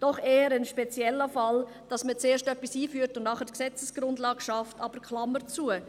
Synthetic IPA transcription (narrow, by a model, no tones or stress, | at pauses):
d̥ɔχeːəɾənʃpet͡sjɛlːəfɑl | d̥ɑsmət͡seːʃtœpːisiːfyːtʊnnɑχədksɛt͡səsɡ̥ɾʊndlɑːɡ̥ʃɑftɑb̥əɾkʰlɑməɾt͡suə